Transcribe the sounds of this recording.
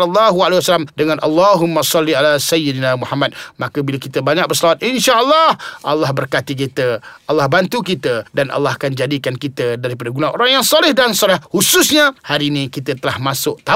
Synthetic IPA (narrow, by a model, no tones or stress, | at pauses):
alːɑɦualehwasalamdəŋanʔa̰lːɑɦumːasɑlːialasajidnamuħamat̪̚makəbilakit̪əbaɲak̚bərsəlawat̪̚inʃaʔəlːɑhʔɑlːɑhbərkat̪ik̬it̪əʔalːɑhbant̪ukit̪ədanʔa̰lːɑhakand͡ʒadikankit̪ədaɾipadaɡunaʔo̰ɾaŋjaŋsɔlɪhdansɔlɪhhusʊsɲahaɾiːnĩkit̪ət̪əlahmasʊʔ̚t̪a